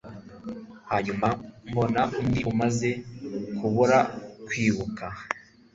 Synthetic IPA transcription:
haːɲumambo̞naʔumdiʔumaze̞kʰuβuɾakwiːβuka

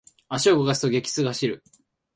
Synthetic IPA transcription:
aɕioɡoɡasɨ̥t̪oɡʲe̞kʲi̥t͡sɨɡahaɕiɾɯ̟

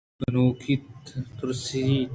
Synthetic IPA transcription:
bɐnoːkʰit̪ːuɾsii

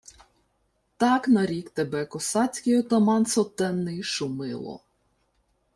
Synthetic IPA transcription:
t̪ɑknɐɾʲikt̪ebɛkɔsɑt͡sʲkɔjʊt̪ɐmɑnsɔt̪ɛnːɪjʃʊmɪ̰lˠɔ̰

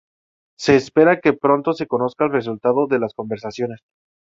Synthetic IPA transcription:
se̞ːspe̞ɾake̞pɾo̞nt̪o̞se̞ko̞no̞skaelres̬ult̪aðo̞ðe̞lasko̞mbe̞ɾsasjo̞ne̞s

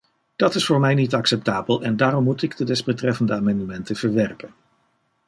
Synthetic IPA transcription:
d̥ɑtɪsfʊːɹmɛjnitɑksɛp̚taːbəlˠɛndaːrɔmːutɪɡdədɛszbətrɛfəndəaːmɑndəmɛntəv̥əɹʋɛrpən

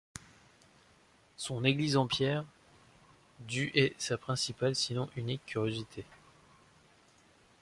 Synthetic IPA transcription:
sɔ̃neɡlizɑ̃pjɛʁ | d̪yʔɛsapχɛ̃sipalsinɔ̃ʔynikʰʲːyʁjozit̪ʰe

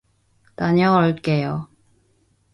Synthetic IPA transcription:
taɲʌʌɭk͈ejo

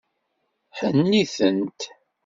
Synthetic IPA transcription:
ħənːiθənt̪

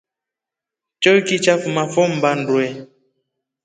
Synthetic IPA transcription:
t͡ʃɔikit͡ʃafumafɔm̩ban̩dwɛ

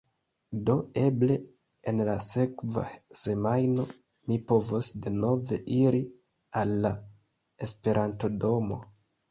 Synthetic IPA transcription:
do̞e̞ble̞ | enlase̞kva̰se̞majno̞ | mipo̞vosde̞no̞ve̞ʔiɾi | alːa | espe̞ɾʔanto̞do̞mo̞̰

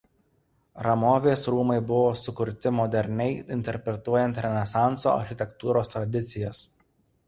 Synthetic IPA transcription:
ɾɐmoːʋʲeːsɾuːmɐɪbʊʋoːsʊkʊɾʲt̪ʲɪmɔd̪ʲɛɾʲnʲɛɪɪnʲt̪ʲɛɾʲpʲɾʲɛt̪uɔjɛnt̪ɾʲɛnʲɛsɑˑnˑtso̰ːɐ̰ɾʲxʲɪt̪ʲɛkt̪uːɾoːst̪ɾɐd̪ʲɪt̪sʲɪjɛs

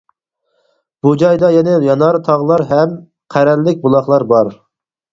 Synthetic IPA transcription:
b̥ud͡ʒɑjd̪ɑjɛnɛjɑnɑɾt̪ʰɑʁlˠɑɾɦɛm | qʰæɾɛlːɪk̚ʲbulˠɑχlˠɑɾbɑɾ

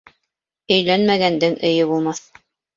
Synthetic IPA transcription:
ɵ̆jlænmæɡænd̪ɘŋɘ̆jɘβulˠmɑθ

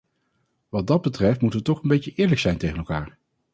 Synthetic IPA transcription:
ʋɑd̚dɑd̚bətrɛftmutəʋətɔχənbejcəʔɪːɹləksɛjntejχənɛlˠkaːɹ

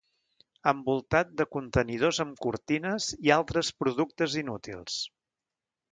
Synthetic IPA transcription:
əmbulˠt̪at̪̚d̪əkunt̪ənið̞ozəmkuɾt̪inəzialˠt̪ɾəspɾuðuk̚t̪əzinut̪ḭlˠs

